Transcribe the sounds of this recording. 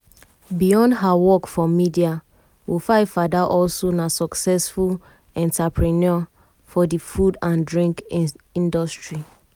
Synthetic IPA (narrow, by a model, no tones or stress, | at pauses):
bijɔ̃ndɦawɔkfɔmidia | wifaɪfadaʔɔlsonasɔksɛsful | ɛ̃ntapɹinɔ | fɔdifudãndɹĩŋkĩndɔstɹi